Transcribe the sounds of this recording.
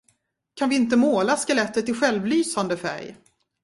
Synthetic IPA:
kʰanvɪɪnt̪̬əmoːlaskɛlɛt̪ːəʈ̪ɪɧɛlvlyːsand̪əfæ̰ɾj

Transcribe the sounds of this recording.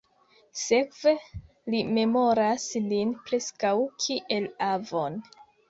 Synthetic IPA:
se̞kve̞ | lime̞mo̞ɾaslinpɾe̞skawkʰiʔe̞lavo̞n

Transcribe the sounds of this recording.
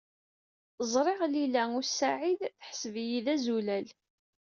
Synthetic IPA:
zˤɾˤɪʁlilæʊɾsaʕiðθə̥ħəsəvjiðæzulæl

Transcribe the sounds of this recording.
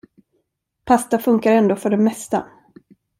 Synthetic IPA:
pʰast̪afɵŋkaɾɛnd̪oːfœɖɛmːɛst̪a̰

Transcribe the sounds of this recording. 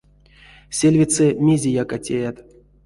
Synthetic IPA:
sʲelʲvʲisɛmʲezʲejakatʲejat̪

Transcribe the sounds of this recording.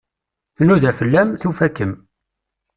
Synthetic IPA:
θnuðæfəlːæmθufækːəm

